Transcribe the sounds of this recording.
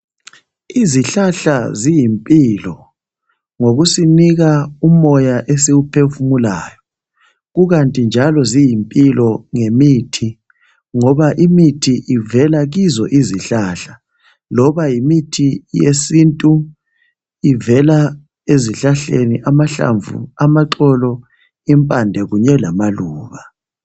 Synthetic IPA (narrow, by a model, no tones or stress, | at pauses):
iziɬaɬazijimpʼilɔ | ŋoɣusiniɣaumɔjaʔesiɣupʰefumula̰ːjɔ | ɣuɣantʼind͡ʒʱalɔzijimpʼilɔŋemitʰi | ŋɔβaʔimitʰiʔivɛlaɣizɔ̰ʔiziɬaɬa | lɔβajimitʰijesintʼu | ivɛla | eziɬaɬeniʔamaɬa̰ɱvṵamaǁɔlɔ | impʼandʱɛɣuɲɛlamaluːβa